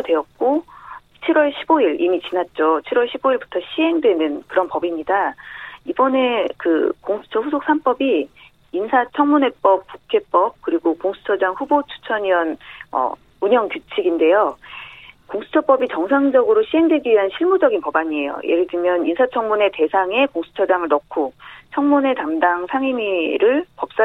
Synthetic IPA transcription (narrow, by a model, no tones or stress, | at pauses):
dwe̞jʌt̚k͈o | t͡ɕʰiɾwʌɭɕʰiboiɾḭmit͡ɕinat̚t͡ɕ͈ot͡ɕʰiɾwʌɭɕʰiboiɭbu̥tʰʌɕʰiɦe̞ŋdwe̞nɯnkɯɾʌnpʌbimɲidaibʌne̞kɯ̰koŋsʰu̥t͡ɕʰʌɸusʰok̚s͈ʰanp͈ʌbiː | nsʰat͡ɕʰʌŋmune̞p͈ʌp̚k͈ukʰe̞p͈ʌp̚kɯɾiɡokoŋsʰu̥t͡ɕʰʌd͡ʑaŋɸubot͡ɕʰu̥t͡ɕʰʌɲiʌnʌ̰ | uɲʌŋkjut͡ɕʰiɡinde̞jo | koŋsʰu̥t͡ɕʰʌp͈ʌbit͡ɕʌŋsʰaŋd͡ʑʌɡɯɾoɕʰiɦe̞ŋdwe̞ɡiɥiɦanɕʰiɭmud͡ʑʌɡinpʌbaɲie̞jo̰jʔḛɡɯdɯmjʌninsʰat͡ɕʰʌŋmune̞te̞sʰaŋe̞koŋsʰu̥t͡ɕʰʌd͡ʑaŋɯɭnʌkʰot͡ɕʰʌŋmune̞tamdaŋsʰaŋimiɾɯɭpʌp̚s͈a